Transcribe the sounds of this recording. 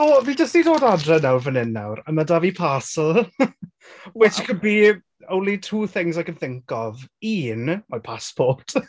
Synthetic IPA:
oːvidəstidoːdadrɛnawrvənɪnːa̰wɾəmadavipʰasl̩ˠ | wɛtəkʰəd̚bi | ownlitʰuːθɪŋzajkənθɪŋkɔvinmapʰaspʰɔt

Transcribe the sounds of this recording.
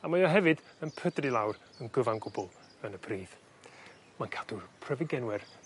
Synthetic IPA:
amajɔɦɛvɨdənpʰədrɨlˠawr | ənɡəvanɡʊbɔlˠ | ənəpʰriːv̥ | mankʰad̥upʰrɛvɪɡɛnwɛr

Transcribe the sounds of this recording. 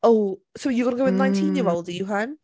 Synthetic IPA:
oʊsoʊjɨɡʌnəɡoʊɨ̃nnãɪ̃ntʰĩnjəwɛllˠdɨjɨɦan

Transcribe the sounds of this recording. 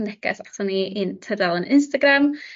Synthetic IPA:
ndɛkɛ̰saχsɔniʔintʰədalˠənɪnstaɡram

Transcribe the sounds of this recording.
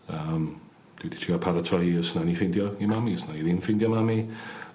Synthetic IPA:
əm | d̥wɛdi̥tʰriapʰaɾatʰɔiəsnanifɪndjɔimamiəsnaiðinfɪndjɔmami

